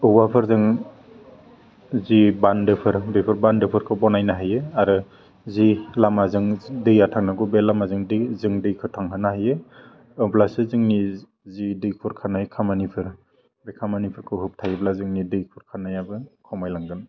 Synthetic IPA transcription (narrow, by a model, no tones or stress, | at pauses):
ɯwwapʰɯɾzɯŋ | zibandɯpʰɯɾbepʰɯɾbandɯpʰɯɾkʰɯbɔnajnaɦajɯaɾɯ | zilamazɯŋdɯjatʰaŋnaɡubelamazɯŋdɯzɯŋdɯjkʰɯtʰaŋɦɯnaɦajɯ | ɯblasɯzɯŋni | zidɯjkʰɯɾkʰanajkʰamanipʰɯɾ | bekʰamanipʰɯɾkʰɯɦɯp̚tʰajiblazɯŋnidɯjkʰuɾkʰanajabɯkʰɔmajlaŋɡɯn